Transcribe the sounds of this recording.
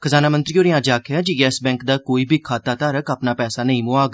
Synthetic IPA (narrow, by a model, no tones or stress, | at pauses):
kʰəzaːnaːmə̃nt̪ɾiːoːɾɪjãːd͡ʒaːkʰjaːd͡ʒiːɡɛːsbɛ̃ːŋkd̪aːkoːiːbʱiːkʰaːt̪aːt̪aːɾəkaːpnaːpɛːsaːnəĩːmoaːɡ